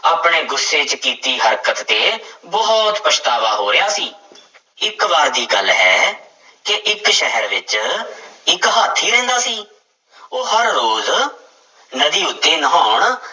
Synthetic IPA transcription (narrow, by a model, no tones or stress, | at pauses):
aːpɳeːɡʊsːeːt͡ʃkiːt̪iːɦəɾkət̪t̪eːbɔːt̪pəʃt̪aːʋaːɦoːɾɪjaːsiː | ɪkʋaːɾd̪iːɡəlɦɛː | kɪʔɪkʃɛɦəɾʋɪt͡ʃ | ɪkɦaːt̪ʰːiːɾɛ̃ːnd̪aːsiː | oːɦəɾːoːz | nəd̪iːʊt̪ːeːnəɦaːʊɳ